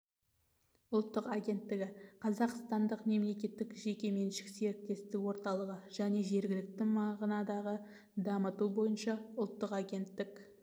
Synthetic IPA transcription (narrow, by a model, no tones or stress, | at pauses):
ʊlˠt̪ːəqaɡʲe̞nt̪ːɪɡʲɪqʰɑzɑqst̪ɑnd̪əqme̞mle̞kʲe̞t̪ːɪkʒe̞kʲe̞me̞nʃɪ̥kse̞ɾɪk̚t̪e̞st̪ɪwo̞ɾt̪ɑlˠəʁəʒ̥æne̞ʒe̞ɾɡʲɪlɪk̚t̪ɪmɑʁnɑd̪ɑʁə | d̪ɑmət̪ubo̞jənʃɑʊlˠt̪ːəqaɡʲe̞nt̪ːɪk